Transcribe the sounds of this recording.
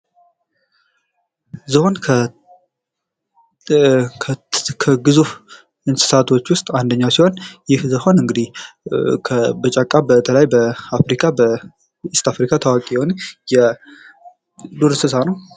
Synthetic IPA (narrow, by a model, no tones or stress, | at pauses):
zɨho̞nkʰ | kʰəɡɨzuf | ɨnsɨ̥sat̪ʰo̞t͡ʃːwʊst̪ʼand̪əɲːasiho̞njɪhzɨho̞nɨŋɡɨd̪ih | kʰəbət͡ʃʼakʼːabət̪ʰələjbəafɾikʰabə | ɨst̪afɾikʰat̪ʰawakʼijɛho̞njɛ | d̪oɾsɨsanəw